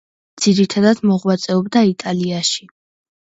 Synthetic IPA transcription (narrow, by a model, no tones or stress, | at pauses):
d̪z̥iɾit̪ʰad̪ad̪̥mɔʁwat̪sʼɛɔb̚d̪ait̪ʼaliaʃi̥